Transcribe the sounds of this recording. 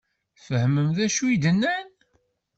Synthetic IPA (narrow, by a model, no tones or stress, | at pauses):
fəhməmðæʃuid̪ənːæn